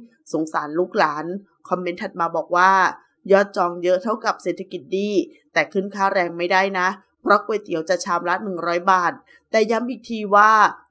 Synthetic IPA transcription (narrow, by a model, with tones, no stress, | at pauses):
so˩˦ŋsaː˩˦nluː˥˩k̚laː˩˦n | kʰɔ˧mːe˦˥nt̪ʰa˨˩t̪̚maː˧bɔː˨˩k̚waː˥˩ | jɔː˥˩t̪̚t͡ɕɔː˧ŋjɤ˦˥ʔt̪ʰa˥˩wka˨˩p̚se˨˩t̪ʰa˧ki˨˩t̪̚diː˧˩t̪ɛː˨˩kʰɯː˥˩nkʰaː˥˩ɾɛː˧ŋma˥˩jdaː˥˩jna˦˥ʔ | pʰɾɔ˦˥kwuː˧jt̪i˨˩˦wt͡ɕa˨˩t͡ɕʰaː˧mla˦˥nɯ˨˩ŋɾɔː˦˥jbaː˨˩t̪̚ːɛː˨˩ja˦˥mʔiː˨˩k̚t̪ʰiː˧waː˥˩